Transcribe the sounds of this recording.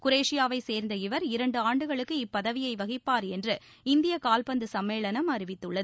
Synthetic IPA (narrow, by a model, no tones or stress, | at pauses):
kʊɾeːʂɪjaːʋɐɪseːɾnd̪ɐɪʋɐɾɪɾɐɳɖɯaːɳɖɯɣɐɭɯkːɯɪpːɐðɐʋɪjɐɪʋɐɣɪpːaːɾɛndrɯ | ɪnd̪ɪjɐkaːlpɐnd̪ɯsɐmːeːɭɐnɐmɐɾɪʋɪt̪ːɯɭːɐð